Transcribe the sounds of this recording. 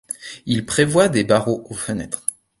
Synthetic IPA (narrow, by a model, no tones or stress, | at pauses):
ilpχevwad̪ebaʁoofənɛt̪χ